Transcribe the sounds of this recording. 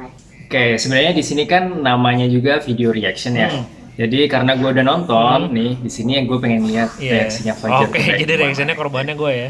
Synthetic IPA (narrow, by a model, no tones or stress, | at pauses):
okesəbənarɲadisinikanːamaɲad͡ʒuɡafideoɾiaksiənja | d͡ʒadikaɾənaɡuaudanɔnt̪ɔnːɪhdisinijaŋɡuapeŋɛnliɦat̪̚reaksiɲafad͡ʒərkd͡ʒadiɾeaksiənɲakɔrbanɲaɡuɛja